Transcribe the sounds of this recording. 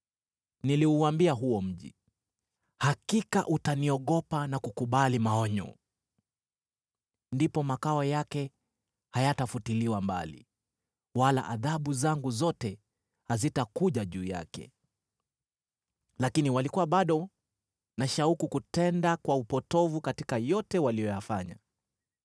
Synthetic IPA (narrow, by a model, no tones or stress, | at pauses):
niliuambiaɦuwɔm̩ʄḭ | hakikaʔutaniɔɠɔpanakukuɓalimaɔɲɔ̰ | ndipɔmakaɔjakɛ | hajatafutiliwamba̰lḭ | wala̰ʔaðaɓuzaŋɡuzɔtɛ | hazitakuʄaʄuːja̰kɛ̰ | lakiniwalikuwaɓaɗɔ | naʃaukukutɛndakwaupɔtɔvukatikajɔtɛwalijɔjafaɲa̰